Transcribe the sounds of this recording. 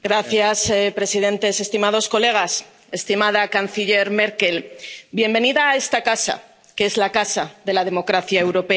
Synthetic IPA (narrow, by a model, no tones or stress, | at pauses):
ɡɾaθjaspɾe̞sið̞e̞nt̪e̞se̞st̪imað̞o̞sko̞le̞ɣ̞as | e̞st̪imaðakan̟θiʎe̞ɾme̞ɾke̞lbje̞mbe̞niðaːe̞st̪akasa̰ | kee̞zlakasaðe̞laðe̞mo̞kɾaθjae̞wɾo̞pe